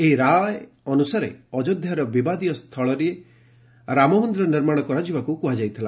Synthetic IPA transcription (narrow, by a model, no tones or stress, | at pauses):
eɦiɾaj | ɔnusaɾḛɔd͡ʒod̪ʱjaɾɔbibad̪ijɔst̪ʰɔɭɔɾie | ɾamɔund̪ɾɔniɾmaɽ̃ɔkɔɾad͡ʒibakukuɦad͡ʒajt̪ʰila